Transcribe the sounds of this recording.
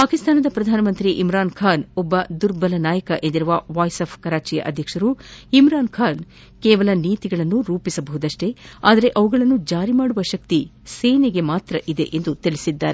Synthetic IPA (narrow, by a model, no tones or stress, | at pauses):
paːkist̪aːnɐd̪ɐpɾɐd̪ʱaːnɐmɐnt̪ɾiʔimɾaːnkʰaːnɔbːɐd̪uɾbɐlɐnaːjɐkɐʔend̪iɾuʋɐʋaːjsɐpʰkɐɾaːt͡ʃijɐ̰ʔɐd̪ʱjɐkʂɐɾuimɾaːnkʰaːn | keːʋɐlɐniːt̪iɡɐɭɐnːuɾuːpisɐbɐɦud̪ɐʂʈe̞a̰ːd̪ɐɾe̞ʔɐʋuɡɐɭɐnːud͡ʒaːɾimaːɽuʋɐʃɐk̚t̪iseːneɡe̞maːt̪ɾɐʔid̪e̞ʔend̪ut̪iɭisid̪ːaːɾe